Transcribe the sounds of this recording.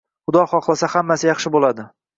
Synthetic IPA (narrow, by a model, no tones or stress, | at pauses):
χʊd̪ɒχɒχlˠasahamːasɪjɑχʃɪbolad̪ɪ